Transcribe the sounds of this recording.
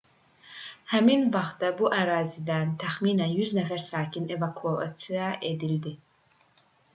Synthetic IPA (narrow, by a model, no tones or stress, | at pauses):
hæminvɑχt̪̚dabuʔæɾaːzid̪ænt̪ʰæxmiːnænjyznæfæɾsaːcʰinevakʰua̰t͡s̪iaʔed̪ild̪i